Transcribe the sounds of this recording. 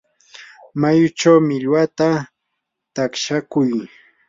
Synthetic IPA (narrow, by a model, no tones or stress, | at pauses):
majʊt͡ʃawmɪʎwat̪a | t̪akʃakʊj